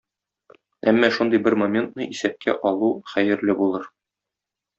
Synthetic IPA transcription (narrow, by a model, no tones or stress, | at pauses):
æmːæʃund̪ɤjbɘɾmɐmʲe̞nt̪nɤʔisæp̚kʰæ̰ʔɒlˠuχæjɘ̆ɾlɘbulˠɤɾ